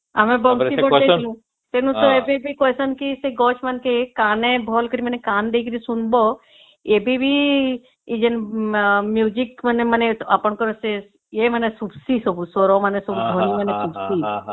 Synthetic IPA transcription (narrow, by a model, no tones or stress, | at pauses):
amẽbɔŋsiɔelũ | t̪enũt̪ɔebebʱikɔsənkiseɡɔt͡ʃmankekanẽbʱɔlkəɾimɐnekand̪eikəɾisunbɔ | ebʱibʱi | id͡ʒen | mjud͡ʒikməneməneapəɳkɔɾɔse | emənesubsisɔbusoɾɔmanesɔbud̪ʱonimənesubsi